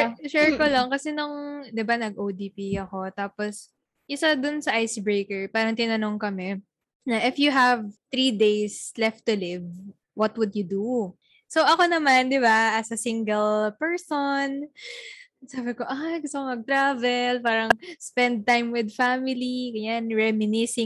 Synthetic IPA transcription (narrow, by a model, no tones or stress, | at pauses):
ɛʃɛɹkolɐŋkɐsɛnʊŋd̪ɪbanɐɡ̚ʔowd̪iːpiɐko̞t̪aːpos | ʔɪsad̪ʊnsɐʔajsbɹejkɛɹpaːɾɐŋt̪ɪnɐno̞ŋkɐmɛ | nɐʔɪfjuɦɐvθɾid̪ejslɛft̪ːʊlɪv | wɐt̪wʊd̪jʊd̪u | soʔɐko̞nɐmand̪ɪbaʔɐsɐsiŋɡɛlpɛɹson | saːbɪko̞ʔajɡʊst̪okomɐɡ̚t̪ɾavɛlpaːɾɐŋspɛnd̪̚t̪ajmwɪd̪̚famɪliɡɐjanɹɛmɪnɪsɪŋ